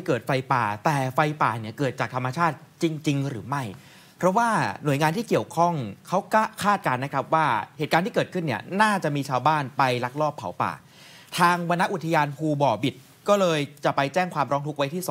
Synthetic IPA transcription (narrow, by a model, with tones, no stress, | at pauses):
jkɤː˨˩t̪̚fa˧jpaː˨˩t̪ɛː˨˩fa˧jpaː˨˩ni˥˩ɐkɤː˨˩t̪̚t͡ɕaː˨˩k̚t̪ʰmːa˧t͡ɕʰaː˥˩t̪̚t͡ɕi˧ŋt͡ɕi˧ŋɾɯː˩˦ma˥˩j | pʰɾɔ˦˥waː˥˩nu˨˩˦jŋaː˧nt̪ʰiː˥˩ki˨˩əwkʰɔ˥˩ŋkʰa˦˥wkːkʰaː˥˩t̪̚kaː˧nːa˦kʰɾa˦˥p̚waː˥˩heː˨˩t̪̚kaː˧nt̪iː˥˩ɤː˨˩t̪̚kʰɯ˥˩nːi˥˩ɐnaː˥˩t͡ɕa˨˩ʔmiː˧t͡ɕʰaː˧wbaː˥˩npa˧jla˦˥k̚lɔː˥˩pʰːa̰˩˦wpa̰ː˨˩ | t̪ʰaː˧ŋwa˧nːa˦˥ʔu˨˩t̪ʰa˧jaː˧npʰuː˧bɔː˨˩bi˨˩t̪̚ | kɔː˥˩lɤː˧jt͡ɕa˨˩ʔpa˧jt͡ɕɛː˥˩ŋkʰwaː˧mɾɔː˦˥ŋt̪u˦˥k̚wa˦˥jt̪ʰiː˥˩su˨˩˦